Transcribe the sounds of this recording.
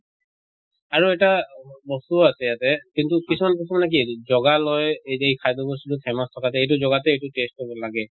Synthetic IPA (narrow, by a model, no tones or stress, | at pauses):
aɹuɛtabɔstuasɛjatɛkintukisumanpɔsumanɛk̬izɔɡalɔjejkʰajd̪ɔbɔs̬tutupʰɛmastʰɔkatɛejtuzɔɡatɛejtutest̚kɔɹbɔlaɡɛ